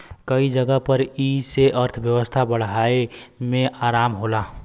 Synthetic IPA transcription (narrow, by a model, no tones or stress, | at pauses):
kəid͡ʒəɡəpəɾiseʔəɾt̪ʰbjəwəst̪ʰabəɽ̤ɦaːemẽʔaːɾaːmɦolaː